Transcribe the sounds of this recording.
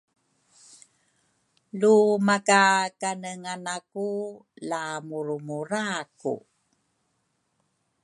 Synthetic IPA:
lumakakanəŋanakulamuɾumuɾakṵ

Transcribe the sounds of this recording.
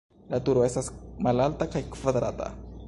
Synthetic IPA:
lat̪uɾɛsasmalalt̪akajkfad̪ɾat̪a̰

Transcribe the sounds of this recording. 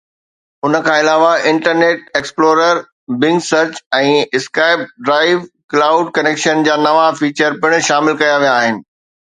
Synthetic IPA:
ʊnə̆kʰãːɪlaːʋaɪ̃ɳʈəɾneːʈ̚eːksploːɾəɾ | bɪ̃ŋɡsɐɾt͡ɕɛ̃ːɪskaːɪb̚ɖɾaːɪʋklaːʊɖkɐneːkʃənd͡ʑaːnɐʋafiːt͡ɕəɾpɪɽ̃ʃaːmɪlkɐjaʋijaːɦɪnɪ̆

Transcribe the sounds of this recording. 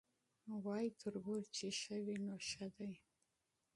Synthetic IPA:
wɑjit̪ʰəɾɡuɾt͡ʃeʃəwinoʃad̪aj

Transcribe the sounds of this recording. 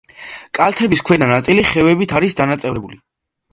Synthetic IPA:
kʼalˠt̪ʰɛbiskʰwɛd̪nanat̪sʼiliχɛvɛbit̪ʰaɾisd̪anat̪sʼɛvɾɛbuli

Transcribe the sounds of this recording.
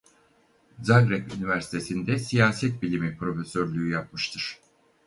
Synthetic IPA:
zaɡɾɛpynivæɾsi̥t̪ʰe̞sind̪ɛsijaːsɛt̪̚bilʲimipɾo̞fesøɾlʲyjyjap̚mɯʃt̪ʰɯɾ̥

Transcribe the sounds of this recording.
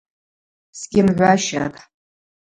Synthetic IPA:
sɡʲɪmʕʷaʃa̰tʼ

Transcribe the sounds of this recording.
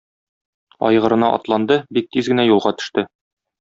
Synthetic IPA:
ɒ̰jʁɤ̆ɾɤ̆nɑʔɒ̰t̪lˠɑnd̪ɤbik̚t̪izɡɘ̆næjulˠʁɑt̪ɵ̥̆ʃt̪ɘ

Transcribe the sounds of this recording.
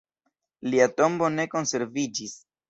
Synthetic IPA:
liato̞mbo̞ne̞ko̞nse̞ɾvid͡ʒis

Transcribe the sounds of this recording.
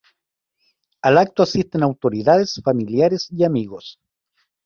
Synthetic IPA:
alak̚t̪oasist̪enawt̪oɾiðaðesfamiljaɾesiamiɣos

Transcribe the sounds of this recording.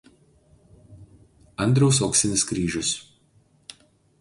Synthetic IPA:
ɐnʲd̪ʲɾʲɛʊsɔːksʲɪnʲɪskɾʲiːʒʲʊs

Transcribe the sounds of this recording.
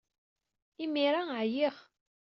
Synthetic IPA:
imiɾaʕjiʁ

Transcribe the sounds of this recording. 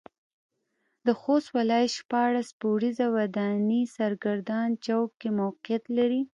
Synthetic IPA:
d̪əxost̪walɑjʃpɑɽaspowɽizawad̪anisaɾɡaɾd̪ɑnt͡ʃawkːemowqjat̪laɾi

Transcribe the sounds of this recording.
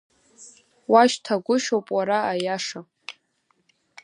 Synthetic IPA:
waʃtʰaɡʷʊʃowpʼwaɾaːjaʂa

